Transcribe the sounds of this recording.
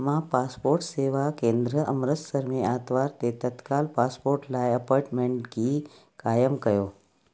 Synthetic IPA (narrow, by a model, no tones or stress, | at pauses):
mãpaːspoːɾʈseːʋakẽːnd̪ɾəʔəmɾət̪səɾmeaːt̪ʋaɾt̪et̪ət̪kalpaspoːɾʈlajəpaːɾʈmẽɳʈɡi | kaːjəmkəjoː